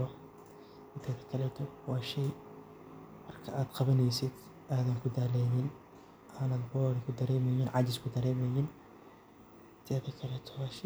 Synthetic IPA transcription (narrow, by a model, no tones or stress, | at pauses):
ɔ | ɪnt̪ʰɛðɐkʰɐlɛt̪ʰɔwɑːʃɛj | mɐrkʰɐʔaːd̪qɑβɐnɛjsɪd̪ | ʔaːðɐŋkʰʊd̪aːlɛnɪn | ʔaːnaːd̪bɔːɾɪkʰʊd̪ɐɾɛːmɛjɪnʕɑd͡ʒɪskʰʊd̪ɐɾɛːmɛjɪn | ɪnt̪ʰɛːðɐkʰɐlɛt̪ʰɔ̥wɑːʃɛ